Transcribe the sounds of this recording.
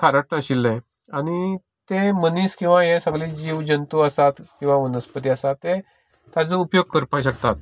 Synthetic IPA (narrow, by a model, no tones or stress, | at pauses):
kʰaɾaʈnãɕilːẽ | añi | t̪eməniːskĩw̃ʋajesəɡlid͡ʑiʋd͡ʑənt̪uəsat̪kĩw̃ʋaʋənəspət̪iəsat̪ːe | t̪jat͡səupjoɡ̚kəɾpajɕəkt̪at̪̚